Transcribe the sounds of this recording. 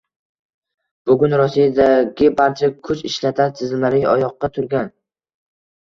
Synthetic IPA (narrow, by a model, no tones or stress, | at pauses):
b̥ʊɡʲʊnɾɒsijad̪aɡʲɪbaɾt͡ʃʰakʰʊt͡ʃɪʃlat̪ʰant̪ʰɪzɪmlaɾɪɒ̰jɒqːɑt̪ʰʊɾɡʲan